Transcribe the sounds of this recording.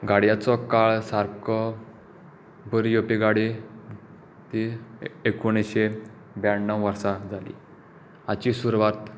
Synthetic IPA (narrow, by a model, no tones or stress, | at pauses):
ɡaɽjat͡sɔkaɭsaɾkɔ | bəɾijopeɡaɽe | t̪iekoɽ̃eɕe | baɽnːãwʋəɾsad͡zʱalḭ | at͡ɕisuɾʋat̪